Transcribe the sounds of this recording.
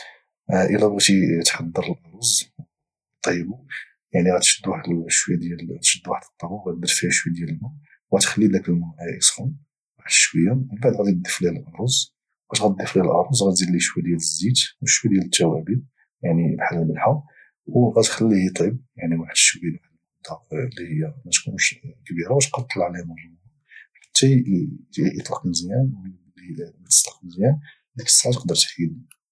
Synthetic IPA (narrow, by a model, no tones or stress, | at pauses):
ʔəlææt̪it̪ħɑd̪ˤːəɾˤəlʔɑɾˤuz | t̪ˤːibu | jaʕniɣæt̪ʃəd̪ːwaħd̪ʃwəjd̪jælt̪ʃəd̪ːwaħəd̪ət̪ˤːɑbuɣæd̪ɑɾˤfihæʃwd̪jæləlmu | wɣæt̪xəlːid̪ækəlmuʔæʔisxʊm | waħəd̪ʃkwəjːæmənbaʕd̪ɣæd̪id̪ːəflæləlʔɑɾˤuz | wɣæt̪ɣæd̪ːəflilʔɑɾˤuzˤɣæt̪zid̪liʃwæd̪jæləzːit̪wəʃwæd̪jælət̪ːæwæbi | jaʕnibħalːmənħa | wɣæt̪xəlːihit̪ˤib̚jaʕniwaħəd̪ʃwəjlʕanlmd̪ɑqlːihəjːæmæt̪kunʃkbiɾawæt̪qɑt̪ˤːɑlʕlæmʊhəmː | ħḁt̪ːæ | ʔət̪ˤlɑqməzjæn | limət̪ə̥t̪ˤlɑ̥qməzjæn | d̪əkə̥sːʕat̪qd̪əɾˤt̪xid̪i